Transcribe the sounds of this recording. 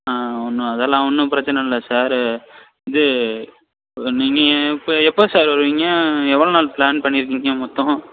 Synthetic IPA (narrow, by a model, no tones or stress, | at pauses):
aɔnːɯ̃ɐðɛlːãːɔnːɯpɪɾɐt͡ʃːɐnɐlːɐsaːɾ | ɪðɯ | niːŋɡɐpːɛpːosaːɾʋɐɾɯʋiːŋɡɐɛʋːɐɭoːnaːlplaːnpɐɳːɪɾɯk̬ːiŋɡɐmɔt̪ːɔ̃